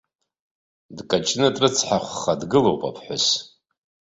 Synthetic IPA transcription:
dkʼat͡ʃʼnɨtʼrɨt͡sʰħaχʷχadɡɨlowpʼa̰pʰħʷʊs

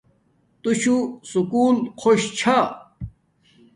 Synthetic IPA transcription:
t̪uɕusukuːlqʰoɕt͡ɕʰa

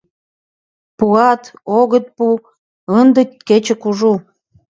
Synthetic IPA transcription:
puɑt̪oɣə̆t̪̚pu | ənd̪ə̆ket͡ɕĕkuʒu

